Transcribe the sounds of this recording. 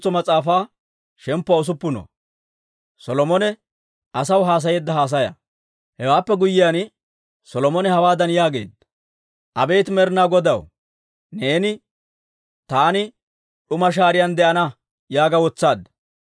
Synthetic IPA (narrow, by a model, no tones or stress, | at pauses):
t͡sːɔmɐt͡sʼaːfaː | ʃɛmpːɔɔs̬ʊpːʊnɔ̰ | sɔlɔmɔnɛ | ʔɐsɐwɦaːs̬ɐjeːd̪ːɐɦaːs̬ɐjɐ̰ | hɛwaːpːɛɡʊjːɪjan | sɔlɔmɔnɛhɐwaːd̪ɐnjaːɡe̞̰ːd̪ | ʔɐbe̞ːt̪mɛɾnaɡɔd̪ɐ̰w | neːnɪ | t̪aːnɪ | ɗʊmɐʃ̬aːɾɪjɐnd̪ɛʔɐnɐ | jaːɡɐwɔt͡sːaːd̪ɐ